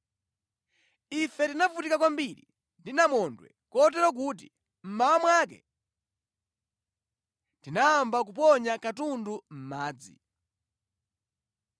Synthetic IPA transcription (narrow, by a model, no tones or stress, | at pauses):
ifɛtinavutikak̬wambiɾḭ | ndinamɔndwɛ̰ | kɔt̬ɛɾɔk̬ut̬ḭ | m̩mawamwaːkɛ̰ | ntdinaːmbak̬up̬ɔɲakatundum̩maːd͡zḭ